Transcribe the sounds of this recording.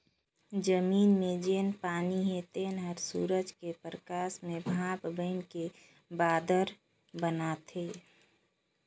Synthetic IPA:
d͡ʒəmiːnmẽd͡ʒeːnpaːniɦet̪enɦəɾsṵːɾəd͡ʒkepɾəkaːsmẽbʱãːpbəɪnke | baːd̪əɾ | bənat̪ʰe

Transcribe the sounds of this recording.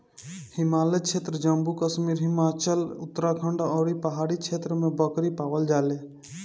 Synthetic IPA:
hɪmaːlet͡ʃʰeːt̪ɾəd͡ʒəmbukəʃmiːɾɦɪmaːt͡ʃəlʊt̪ːəɾakʰəɳɖaɔːɾipəɦaːɽit͡ʃʰet̪ɾəmẽbəkɾipaːʋəld͡ʒaːle

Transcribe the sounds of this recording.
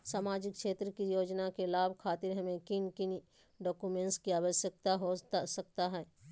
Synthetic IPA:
saːmaːd͡ʒɪk̚kʃeːt̪ɾəkijoːd͡ʒnakelaːbʱkʰaːt̪ɪɾɦɐmẽkɪnkɪn | ɖɔːkumẽːɳʈskiaːʋəʃjək̚t̪aɦosək̚t̪aɦɛː

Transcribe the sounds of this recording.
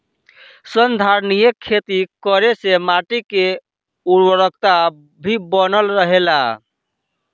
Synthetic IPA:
sənd̪ʱaɾnijekʰːet̪ikəɾesemaʈike | uɾwəɾəkt̪a | bʱibənəlɾəɦela

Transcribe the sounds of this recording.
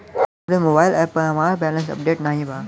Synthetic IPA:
ɾemoːbaːɪlɛːpəɐʋãɾbɛːlə̃ns̬ɐ̰p̚ɖeːʈnaːɦĩbʱaː

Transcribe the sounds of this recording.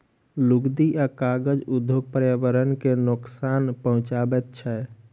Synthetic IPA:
luɡd̪iʔakaɡəd͡ʒud̪ʱjoɡ̚pəɾjabəɾənkenʊksanpəɦʊ̃t͡ʃabɛt̪̚t͡ʃʰɛ

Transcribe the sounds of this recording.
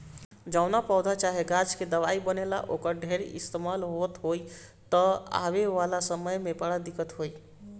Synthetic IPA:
d͡ʒəʊnapɔd̪ʱat͡ʃaɦeɡad͡ʒked̪əʋaibənela̰ʔokəɾɖʱeɾḭst̪emalɦot̪ɦoj | t̪əa̰βeʋalasəməjmepaɽad̪ikət̪ɦoj

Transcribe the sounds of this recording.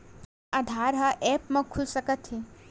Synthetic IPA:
ɐd̪ʱaːɾɦɐʔɛːpmɐ̃kʰulsəkət̪ɦi

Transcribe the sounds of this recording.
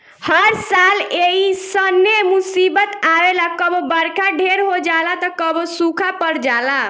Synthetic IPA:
həɾsaleɦisənemusibət̪aʋelakəbbəɾkaɖʱeɾɦod͡ʒalat̪əkəbsũkʰapəɾd͡ʒala

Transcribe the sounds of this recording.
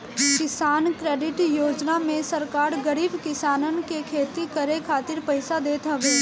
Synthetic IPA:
kɪsaːnkɾeːɖɪʈjoːd͡ʒnamẽsɐɾkaːɾɡəɾiːbkɪsaːnənkekʰeːt̪ikɐɾekʰaːt̪ɪɾpɐɪsad̪eːt̪ɦɛʋeː

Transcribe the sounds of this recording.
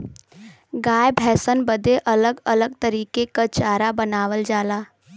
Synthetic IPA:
ɡaːjbʱɛːsənbəd̪eʔɐləɡələɡ̚t̪əɾiːkekat͡ʃaːɾabənaːʋəld͡ʒaːlaː

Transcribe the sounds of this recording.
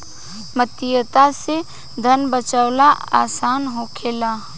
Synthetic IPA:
mət̪ɪjət̪ase | d̪ʱənbət͡ʃəwlaaːsaːnɦokʰeːla

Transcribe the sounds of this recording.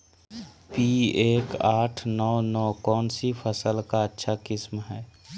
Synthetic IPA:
pieːkaːʈʰnɔːnɔːkɔːnsipʰəsəlkaətːʃʰakɪsmɦɛː

